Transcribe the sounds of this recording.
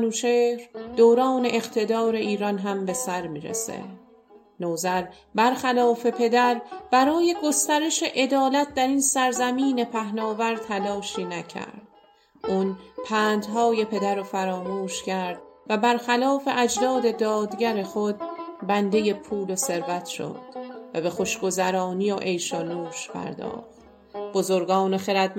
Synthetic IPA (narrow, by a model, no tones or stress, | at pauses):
nuːt͡ʃʰeːhɾd̪̥oːɾɒːne̞ʔeqt̪ʰe̞d̪ɒːɾe̞ʔiːɾɒnɦæmbe̞sæɾmiːɾḛsḛ | noːzæɾ | bæɾxælɒːfe̞pʰe̞d̪æɾb̥æɾɒːje̞ɡo̞st̪æɾe̞ʃe̞ʔe̞d̪ɒːlæt̪̚ʰd̪æɾinsæɾzæmiːne̞pʰæhnɒːvæɾt̪ʰælɒːʃiːnæcʰæ̰ɾd̪̥ | ʔuːnpʰæːnd̪ɦɒːje̞pʰe̞d̪æɾofæɾɒːmuːʃcʰæɾd̪̥væbæɾxælɒːfe̞ʔæd͡ʒd̪ɒːd̪e̞d̪ɒːd̪ɟæɾe̞χo̞d̪̚bænd̪e̞je̞pʰuːlose̞ɾvæt̪ʃo̞̰d̪̥væbe̞xo̞ʃɡ̥o̞zæɾɒːnijoʔe̞jʃonuːʃpʰæ̰ɾd̪ɒ̰ːχt̪ | bo̞zoɾɡɒːnexe̞ɾæd̪̚